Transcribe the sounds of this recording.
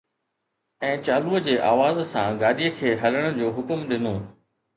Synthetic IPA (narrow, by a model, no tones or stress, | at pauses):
ɛ̃ːt͡ɕaːluəd͡ʑeːʔaːʋaːzsãɡaːɗiəkʰeːɦɐləɽ̃ə̆d͡ʑoːɦʊkmɗɪnoː